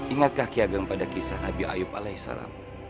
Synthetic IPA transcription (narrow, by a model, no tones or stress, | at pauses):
iŋat̪̚kahkiaɡaŋpadakisahnabiʔa̰jʊp̚alasa̰la̰m